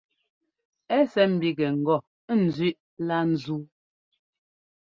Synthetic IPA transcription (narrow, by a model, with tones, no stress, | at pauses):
ɛ˦sɛ˨˦m̩˨bi˦ɡɛ˨ŋ̩˨ɡɔ˦˨˦ | n̩˨zi˦˨ʔ | la˦n̩˨zu˦